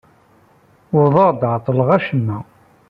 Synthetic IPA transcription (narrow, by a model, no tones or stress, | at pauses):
ʊðˤɑʁˤd̪ʕt̪ˤːələʁæʃənːæ